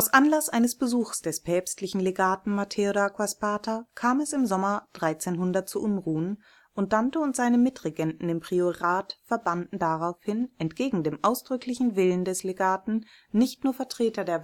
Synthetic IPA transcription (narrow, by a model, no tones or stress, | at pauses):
ʔaʊsʔanlasʔaɪnəsb̥əzuːxsd̥ɛspʰɛːpstlɪçn̩leɡaːtn̩matʰeodakʰwaspaːtakʰaːmɛsɪmzɔmɐd̥ʁaɪt͡seːnɦʊndɐtt͡suʔʊnʁuːən | ʔʊnt̚d̥antəʊntz̥aɪnəmɪtʁ̥eɡɛntn̩ɪmpʁ̥ioʁaːtfɛɐbandn̩daʁaʊfhɪnɛntɡ̥eːɡŋ̩deːmʔaʊsd̥ʁʏklɪçn̩vɪləndɛsleɡaːtn̩ | nɪçtnuːɐfɛɐtʁ̥eːtɐdeːɐ